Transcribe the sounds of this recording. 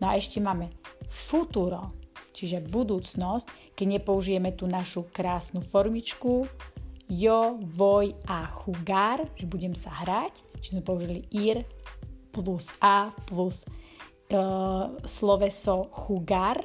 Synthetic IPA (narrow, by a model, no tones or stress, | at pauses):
nɔaɛʃcɛmaːmɛfut̪uɾɔt͡ʃiʒɛbud̪uːt͡snɔsc | kɛɟɲɛpɔuʒijɛmɛt̪uːnaʃukɾaːsnufɔɾmit͡ʃku | jɔʋɔjaxuɡaɾʒ̥ɛbuɟɛmsaɦɾac | t͡ʃizmɛpɔuʒiliʔiɾplusaːplus | slɔʋɛsɔxuɡaɾ